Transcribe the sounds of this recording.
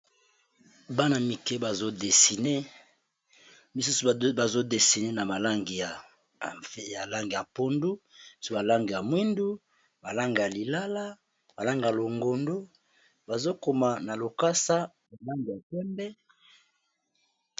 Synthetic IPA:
ba˦na˨mi˨kɛ˦ba˨zo˦de˨si˨ne˦ | mi˨s̬u˦su˨ba˨zo˦de˨si˨ne˦na˨ma˨la˦ŋɡi˨ja˨˦ | ja˨la˦ŋɡi˨ja˨po˦ndu̥˦˨ssu˨ba˨la˦ŋɡi˨ja˨mwi˦ndu˦ | ba˨la˦ŋɡi˨ja˨li˨la˦la˦ | ba˨la˦ŋɡi˨ja˨lo˨ŋɡo˨ndo˦ | ba˨zo˦ko˨ma˨na˨lo˨ka˦sa˦ | ba˨la˦ŋɡi˨a˨pɛ˦mbɛ˦

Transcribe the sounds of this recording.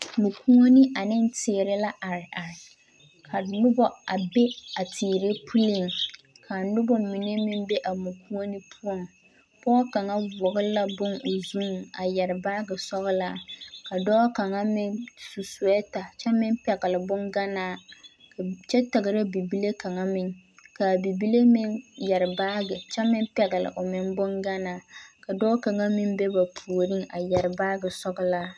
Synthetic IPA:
mu˨kʰu˦ŋo˦nɪ˦ʔa˨nɪ˦ntɪ˨ɾɪ˦la˦ʔa˨ɾɪ˨ʔa˨ɾɪ˨ | kʰa˨nʊ˦bɔ˦a˨be˦a˨tʰiː˨ɾe˦pʰu˦lɪ˦˨ŋ | kʰa˨nʊ˦bɔ˦mi˨ne˦mɪ˦mbe˦ʔa˨mu˨ku˦ŋo˦ni˦pʰu˦ɔ˦ŋ | pɔ˦ka˨ŋa˦vʊ˨ɣʊ˦la˦bʊ˦no˨zuː˦˨a˨jɛ˨ɾɪ˨baː˦ɡɪ˨sɔ˦ɣɪ˦la˦˨ka˨dɔː˦ka˨ŋa˦mɪ˦nsu˨su˨ɛ˦ta˨t͡ʃɛ˦mɪ˦npɛ˨ɡɪ˨lɪ˨bʊ˦ŋɡa˦naː˦˨ | ka˨t͡ʃɛ˦tɪ˨ɣɨ˨ɾɪ˦bi˨bi˦le˦ka˨ŋa˦mɪ˨ŋ | ka˨bi˨bi˦le˦mɪ˦ŋjɛ˨ɾɪ˨baː˦ɡɪ˨t͡ʃɛ˦mɪ˦pɛ˨ɣɪ˨lɪ̰˨ʔʊ˨mɪ˨n˦bʊ˦ŋɡa˦naː˦ka˨dɔː˦ka˨ŋa˦mɪ˦mbɛ˦ba˨pʰu˨o˨ɾi˦ŋa˨jɛ˨ɾɪ˨baː˦ɡɨ˨sɔ˦ɡɨ˦la˦

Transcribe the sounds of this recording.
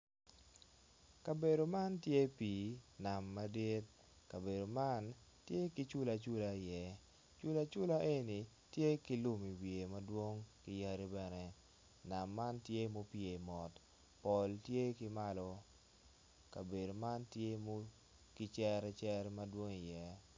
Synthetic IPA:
ka˨be˨do˨ma˦ntje˦pi˨na˨mːa˦di˦t̚ | ka˨be˨do˨ma˦n | tje˦ki˦t͡ʃʊ˦la˨t͡ʃʊ˦la˨jɛ˦ | t͡ʃʊ˦la˦t͡ʃʊ˦la˦ʔe˦ni˨ | tje˦kɪ˦lʊ˦mi˨wje˨mɐ˦dwo˦ŋkɪ˦ja˦ɾi˦bɛ˨nɛ˨ | na˨mːa˦ntje˦mo˦pje˨mɔ˨t | pɔ˨ltje˦kɪ˦ma˦lɔ˦ | ka˨be˨do˨ma˦ntje˦mo˦ | kɪ˦t͡ʃɛ˦ɾɛ˦t͡ʃɛ˦ɾmɐ˦dwo˦ŋi˨jɛ˦

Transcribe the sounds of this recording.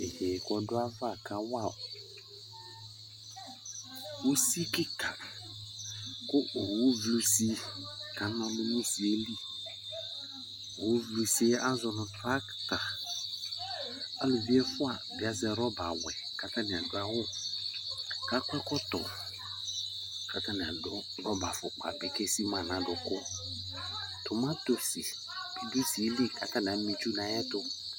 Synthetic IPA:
e˨heː˨kɔ˨dʊ˦a˦va˦˨ka˦wa˦˨ | u˦si˦kɪ˦kʰa˨ | kʊ˦˨hu˦vlu˦si˦ka˨˦nã˨mɪ̃˦nũ˦si˨e˦li˦˨ | hu˨˦vlu˨si˦e˦a˦zɔ˨nʊ̃˨tɾa˦kta˨ | a˨˦lʊ˨vi˦ɛ˦fʊ˦a˨bi˨a˨zɛ˨ɾɔ˦ba˨wɛ˨ka˨ta˦ni˨a˨dʊ˦a˦wʊ˦ | ka˦kʷɛ˦kɔ˦tɔ̰˨ | ka˨ta˦ni˨a˨dɔ˦ɡɔ˦ba˨fʊ˨k͡pa̰˨bɪ˨ke˦si˦mã˨nã˨˦dʊ˨kʊ˦ | tʊ˨mã˦to˨si˨˦ | du˦si˨e˦li˦ka˨ta˦n˨a˨˦mi˨t͡ʃu˦na˨˦jɛ˦tʊ˦

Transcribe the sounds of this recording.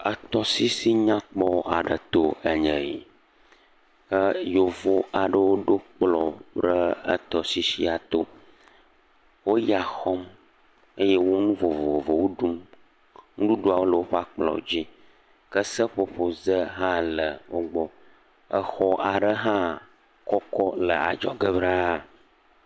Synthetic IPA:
ə˨t̪ɔ˦si˦si˦ɲã˦k͡pɔ˦a̰˨ɖə˨t̪o˦ə˨ɲə̃˨ḭ˨ | ə˦jo˨vo˨a˨ɖə˦wo˦ɖo˦k͡plɔ˨pɾə˦ə̰˦t̪ɔ˨si˦si˦a˨t̪o˦ | wo˦ja˨xɔ˦m | ə˦jɛ˦wo˦nũ˦vo˨vo˨vo˨wo˦ɖu˦m | ŋũ˦ɖu˦ɖo˦a˨wo˦lə˨wo˦ɸa˦k͡plɔ̰˨d͡ʑi˦ | kə˦sə˦ɸo˦ɸo˨zə˦ɦã˦lə˨wo˦ɡ͡bɔ˦ | ə˦xɔ˦ʔa˨ɖə˦ɦã˦ | kɔ˦kɔ˦lə˨a̰˨d͡ʒɔ˦ɡə˦bɾa˦˨

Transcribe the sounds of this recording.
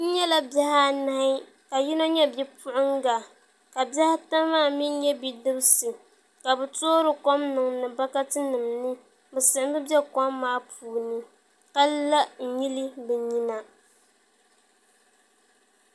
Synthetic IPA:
n̩˦ɲɛ˦la˦bja˦ha˦˨na˦hɪ˦ | ka˨ji˦no˦ɲɛ˦bjɛ˦pʊ˦ʔʊ˦ŋɡa˨ | ka˨bja˦ha˦ta˦maː˦˨mi˦nɲɛ˦bi˨dɨ˦bɨ˦sɨ˨ | ka˨bɨ˨toː˦ɾɨ˨ko˦mnɨ˨ŋnɨ˨ba˦ka˦tɨ˦nɨ˨mnɨ˦ | bɨ˨sɨ˨ɪ˦bɨ˦bɛ˦kɔ˦mːaː˦puː˨nɨ˦ | ka˦lla˦n̩˨ɲi˦li˦bɛ˨ɲi˦na˨

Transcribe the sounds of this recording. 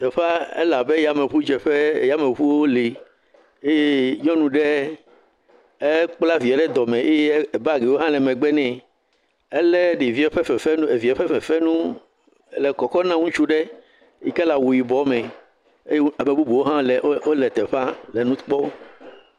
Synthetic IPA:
t̪ɛ˨ɸa˦ɛ̰˦la˨bɛ˦ja˨me˨ɸu˦d͡ʒɛ˨ɸɛ˦˨ja˦mẽ˨ɸu˦wo˦li˨ | e˦e˦ɲɔ̃˦nũ˨ɖɛ˦ | e˦k͡pla˦vi˨a˨ɖɛ˦d̪ɔ˨mɛ̃˨ʔe˦˨ba˦˨ɡe˨wo˦ɦã˦lɛ˨mɛ̃˨ɡ͡bɛ˦nɛ̃˨ | ɛ˦lɛ˦ɖi˨vi˦ɛ˦ɸɛ˦fɛ˨fɛ˦n˦e˨vi˨ɛ˨ɸɛ˦ɸɛ˨fɛ˦nũ˦ | lɛ˨kɔ˨kɔ˦nã˦ŋũ˦t͡ʃu˦ɖɛ˦ | ji˨kɛ˦la˨wu˨ji˨bɔ˨˦mɛ̃˨ | e˦je˦a˨me˨bu˦bu˨wo˦ɦã˦lɛ˨˦o˦lɛ˨t̪ɛ˨ɸa˦lɛ˨nũ˦k͡pɔ˦o˦

